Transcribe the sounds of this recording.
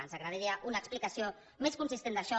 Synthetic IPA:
a̰nzaɣɾaðiɾiaʔunaəːksplikasio | meskunsist̪end̪aʃɔ

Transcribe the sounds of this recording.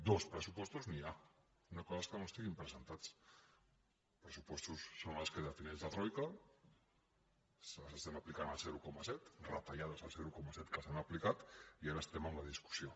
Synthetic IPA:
d̪ospɾesupwost̪uznia | unakozaskanost̪iɣimpɾesent̪at͡s | pɾesupwost̪usːonaskeðafinezðat̪ɾojka | ssest̪emaplikanalseɾukomasɛt̪rat̪aʎað̞asalseɾukomasɛt̪kasanaplikat̪iaɾaest̪emanlað̞isku̥sjo

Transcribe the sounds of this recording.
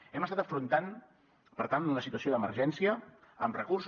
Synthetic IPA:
ɛməst̪at̪əfɾunt̪an | pəɾt̪anləsit̪uəsioðəməɾʒɛnsiəː | mrəkurs

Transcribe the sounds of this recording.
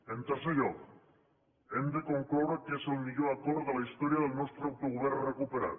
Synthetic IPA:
ent̪asajok | end̪ekoŋkoɾokesolmiʝoakoɾðelaist̪oɾiaðelnost̪ɾawt̪oɣuβeɾrekupeɾa̰t̪

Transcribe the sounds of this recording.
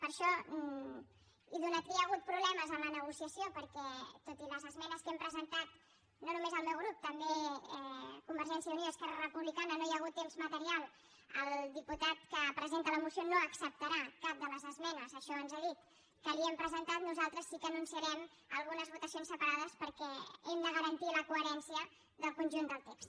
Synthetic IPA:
pəɾʃɔ | iðunat̪kiəɣ̞ut̪̚pɾuβlɛməzəmlənəɣ̞usiəsiopəɾkɛt̪ot̪iləzəzmɛnəskɛmpɾəzənt̪at̪ | nonumezəlˠmɛwɣɾup̚t̪əmbeɛkumbəɾʒɛnsijəuniðəːskɛrərəpuβlikanənojəɣut̪ːemzmət̪əɾialˠ | əlˠd̪iput̪at̪kəpɾəzent̪ələmusjonoəksəp̚t̪əɾakap̚d̪ələzəzmɛnəzəʃɔənzeðit̪̚ | kəliɛmpɾəzənt̪at̪nuzalˠt̪ɾəsːikəːnunsiəɾɛm | əlˠɣunəzβut̪əsionsəpəɾaðəspəɾkɛɛmd̪əɣəɾənt̪iləkuəɾɛnsiə | ðəlˠkunʲʒund̪əlˠt̪ekst̪

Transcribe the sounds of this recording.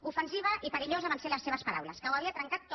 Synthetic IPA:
ufənsiβ̞əʔipəɾiʎozəβanseləsːeβ̞əspəɾa̰wlə̰skəwəβiət̪ɾəŋkat̪ː

